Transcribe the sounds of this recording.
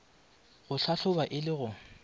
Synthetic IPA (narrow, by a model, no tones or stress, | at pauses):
ɣʊɬʰaɬʊbaʔɪlɪɣʊ